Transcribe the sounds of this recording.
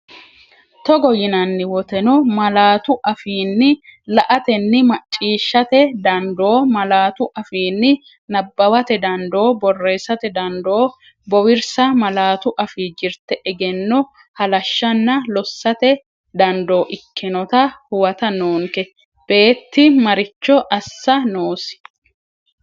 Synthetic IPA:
t̪ɔɡɔjɪnɐnːɪwɔt̪ɛnɔmɐlaːt̪ʊʔɐfiːnːɪlɐʔɐt̪ɛnːɪmɐt͡ʃʼːiːʃːɐt̪ɛd̪ɐnd̪o̞ːmɐlaːt̪ʊʔɐfiːnːɪ | nɐbːɐwɐt̪ɛd̪ɐnd̪o̞ːbɔrːe̞ːsɐt̪ɛd̪ɐnd̪o̞ː | bɔwɪɾsɐmɐlaːt̪ʊʔɐfiːd͡ʒɪɾt̪ɛʔɛɡɛnːɔ | hɐlɐʃːɐnːɐlɔsːɐt̪ɛ | d̪ɐnd̪o̞ːʔɪkʰːɪnɔt̪ɐhʊwɐt̪ɐnoːŋkɛ | b̥e̞ːt̪ːɪmɐɾɪt͡ʃːɔʔɐsːɐnoːsɪ̥

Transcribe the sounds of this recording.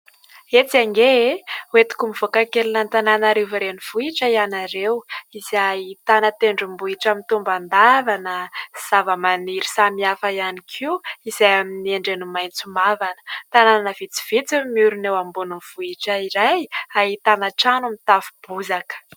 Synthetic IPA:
et͡saŋɡewet̪u̥kumivokakelinant̪ananaɾeviɾeniv̥uiʈ͡ʂəijanaɾewiz̥ait̪anət̪eɳɖ͡ʐumbuiʈ͡ʂamit̪umband̪avanəz̥avəmaniɾisamiafajanikʰiwiz̥ajaminieɳɖ͡ʐenumajnt͡sumavanə̥t̪anananəv̥it͡si̥v̥it͡simiuɾunewambununv̥uiʈ͡ʂəiɾajaɦit̪anəʈ͡ʂanumit̪avub̥uzakə̥

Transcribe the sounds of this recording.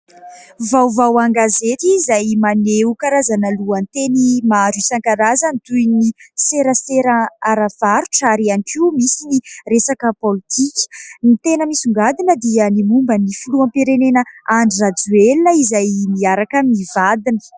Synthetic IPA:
vawvawaŋɡazet̪izajmaneukaɾazanəluənt̪enimaɾisaŋkaɾazənit̪ujniseɾəseɾaaɾav̥aɾuʈ͡ʂaɾianikiumisiniresakəpolit̪ikʲə̥nit̪enəmisuŋɡad̪inəd̪iənimumbənifuluampiɾenenəaɳɖ͡ʐirad͡zuelnəizajmiaɾakəmivad̪inə̥

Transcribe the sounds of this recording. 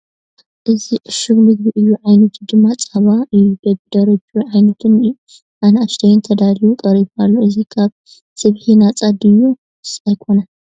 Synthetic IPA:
ʔɨziʕɨʃɨβnɨɡbiʔɨjːuʕajnɐt̪ʰud̪ɨmːat͡sʼaβaʔɨjːud̪ɐbd̪ɐɾɐt͡ʃʼːuʕajnɐt̪ʰɨn | ʔanaʃt̪ʰɐjɪnt̪ʰɐd̪aljukʼɐɾitalːoʔɨzikʰaβ | sɨβħinat͡sʼad̪ɨjːu | sajkʰo̞na

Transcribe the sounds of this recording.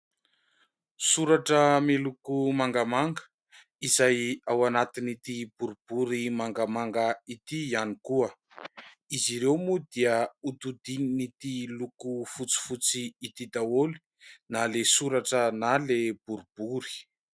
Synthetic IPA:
suɾaʈ͡ʂəmelukumaŋɡamaŋɡə̥ | izajawanat̪init̪ibuɾub̥uɾimaŋɡamaŋɡait̪ianikuə | iziɾewmud̪iəut̪ud̪ininit̪ilukufut͡si̥fut͡siːt̪id̪awoli̥ | nalesuɾaʈ͡ʂənaleb̥uɾub̥uɾi̥

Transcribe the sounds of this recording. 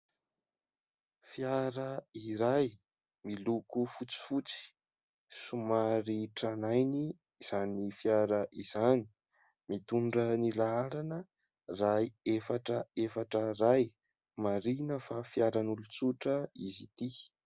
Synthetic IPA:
fjaɾəiɾaj | milukufut͡si̥fut͡si̥ | sumaɾiʈ͡ʂanajniː | z̥anifjaɾəʔiz̥ani̥ | mit̪uɳɖ͡ʐənilaaɾanə | raefaʈ͡ʂəefaʈ͡ʂəraj | maɾinəfafjaɾanulut͡suʈ͡ʂəizit̪i

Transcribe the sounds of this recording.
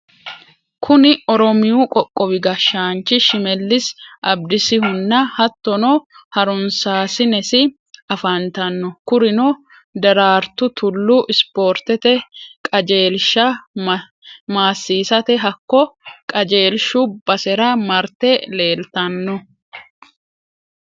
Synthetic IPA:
kʰʊnɪʔɔɾɔmɪjuːkʼɔkʼːɔwɪɡɐʃːaːnt͡ʃːɪʃɪmɛlːɪsʔɐb̚d̪ɪsɪhʊnːɐhɐt̪ːɔnoːhɐɾʊnsaːsɪnɛsɪ | ɐfɐnt̪ɐnːɔkʊɾɪno | d̪ɐɾaːɾt̪ʊt̪ʊlːuːʔɪspo̞ːɾt̪ɛt̪ɛkʼɐd͡ʒe̞ːlʃɐ | maːsːiːsɐt̪ɛɦɐkːɔkʼɐd͡ʒe̞ːlʃuːbɐsɛɾɐmɐɾt̪ɛle̞ːlt̪ɐnːɔ

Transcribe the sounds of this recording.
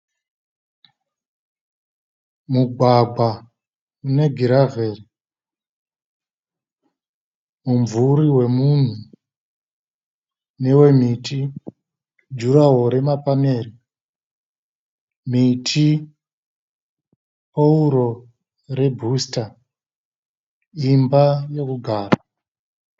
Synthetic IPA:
muɡʱwaɡ͡bʱwa | une̞ɡʱiɾave̞ːri | mumvuriwe̞mun̤u | ne̞we̞miti | d͡ʒuɾaɦo̞ɾe̞mapame̞ːɾi | m̤itʰi | pouɾo̞ | re̞bʱusta | imbaje̞kuɡʱaːra

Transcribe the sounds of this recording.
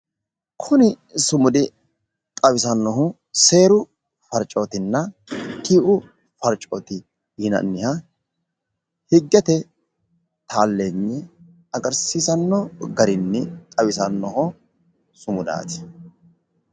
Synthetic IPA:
kʰʊnɪ | sʊmʊd̪ɪ | t̪ʼɐwɪsɐnːɔɦʊ | se̞ːɾʊ | fɐɾt͡ʃʼoːt̪ɪnːɐt̪iːʔʊ | fɐɾt͡ʃʼoːt̪ɪ | jɪnɐ̰nːɪhɐ | hɪɡːɛt̪ɛ | t̪ʰaːlːeːnːɛ | ɐɡɐɾsiːsɐnːɔɡɐɾɪnːɛt̪ʼɐwɪsɐnːɔɦɔ | sʊmʊd̪a̰ːt̪ɪ̥

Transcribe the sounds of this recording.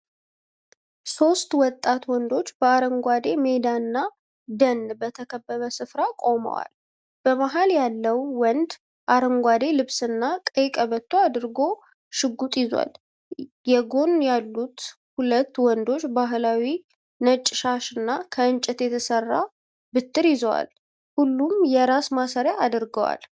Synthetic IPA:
so̞st̪wɔt̪ʼːat̪wɔnd̪o̞t͡ʃːb̥əaɾəŋɡʷad̪e̞me̞d̪anːa | d̪ənbət̪ʰəkʰəbːəβəsɨfɾakʼo̞mə̰wa̰l | b̥əmaɦaljalːəwwɔnd̪ | ʔaɾəŋɡʷad̪e̞lɨβsɨnːakʼəjkʼəβət̪ʰːoad̪ɨɾɡo̞ | ʃɨɡːut̪ʼjɪzwa̰l | jɛɡo̞njalːut̪ | hulət̪ːwɔnd̪o̞t͡ʃːbaɦɨlawi | nət͡ʃʼːɪʃaʃɨnːakʰəɨnt͡ʃʼɪt̪jɛt̪ʰəsərːa̰ | bɨt̪ʰːɨɾjɪzəwa̰l | hulːumjɛɾasmasəɾjaad̪ɨɾɡəwa̰l

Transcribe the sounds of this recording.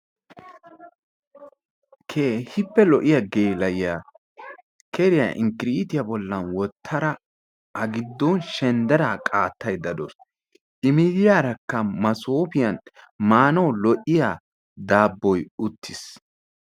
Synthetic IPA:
kʰeːhɪpːɛlɔʔɪjaɡeːlɐjjaː | kʰɛɾɪja̰ʔɪŋkɪɾit̪ɪjabɔlːɐnwɔt̪ʰːɐɾɐ | ʔɐɡɪd̪ːɔnʃɛnd̪ɛɾaːkʼaːt̪ːɐjd̪ɐd̪ɔs | ʔɪmɪd̪ɪjaːɾɐkːɐmɐsoːpɪjɐn | maːnɐwlɔʔɪja | d̪aːbːɔjʊt̪ʰːɪs

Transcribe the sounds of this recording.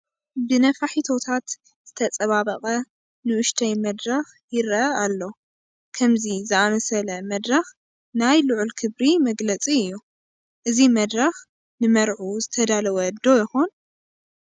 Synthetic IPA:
bɨnɐfaħit̪ʰo̞t̪ʰat̪ | z̥ɨt̪ʰɐt͡sʼɐβaβɐχʼɐ | nɨʔʊʃt̪ʰɐjmɐd̪ɾɐx | jɪɾɐalːo̞ | kʰɐmzizɨamɐsɐlɐmɐd̪ɾɐx | najlɨʕulkʰɨβɾimɐɡlɐt͡sʼiɨjːu | ʔɨzimɐd̪ɾɐx | nɨmɐɾʕuzɨt̪ʰɐd̪alɐwɐd̪ːo̞jɪxon

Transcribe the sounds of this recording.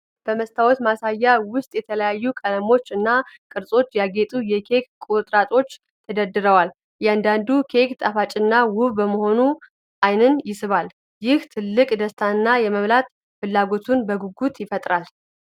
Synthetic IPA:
b̥əməst̪ʰawot̪masajːawʊst̪ʼjɛt̪ʰələjajːukʼələmo̞t͡ʃːɨnːakʼɨɾsʼo̞t͡ʃːjaɡet̪ʼujɛkʰe̞kkʼut̪ʼɾat̪ʼo̞t͡ʃː | t̪ʰəd̪əd̪ɨɾəwal | jɛand̪and̪ukʰe̞kt̪ʼafat͡ʃʼɨnːawʊβbəməho̞nu | ʔajnɨnjɪsɨβal | jɪht̪ʰɨlːɨkʼd̪əst̪ʰanːajɛməβlat̪ | fɨlːaɡo̞t̪ʰunbəɡuɡut̪jɪfət̪ʼɾal

